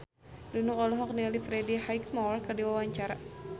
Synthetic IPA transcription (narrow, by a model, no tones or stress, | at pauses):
dunuŋɔlɔɦɔk̚nilifɾɛdihajkmɔrkədiwawaɲt͡ʃaɾa